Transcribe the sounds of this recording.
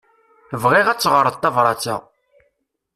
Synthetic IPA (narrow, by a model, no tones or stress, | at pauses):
əvʁiʁæt͡sːʁəɾˤəðt̪ːɑvɾˤɑt͡sːæ̰ʁ